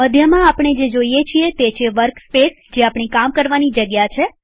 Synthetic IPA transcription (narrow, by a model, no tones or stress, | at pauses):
məd̪ʱjəmãapɳ̃ed͡ʒed͡ʒoijet͡ʃʰiet̪et͡ʃʰeʋəɾkspes | d͡ʒeapɳ̃ikamkəɾʋanid͡ʒəɡjat͡ʃʰe